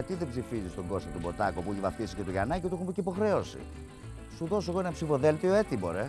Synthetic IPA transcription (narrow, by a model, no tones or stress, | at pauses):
ɐt̪iðebzifizist̪oɡo̞sket̪ubo̞t̪ɐkopueivɐft̪isi̥ce̞t̪uʝɐ̰nɐciot̪eumiceipo̞xɾe̞o̞sḭ | suðo̞so̞eɣoenepsifo̞ðe̞lθioe̞t̪ibo̞̰ɾe